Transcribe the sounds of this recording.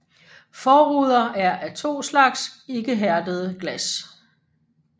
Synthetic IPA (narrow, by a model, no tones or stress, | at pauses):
fɒːʁuð̞ˠɐʔæɐʔæt͡sʰo̝̰ːslɑ̈ɡ̥se̝ɡ̥əɦæɐd̥əð̞ˠəɡ̥læs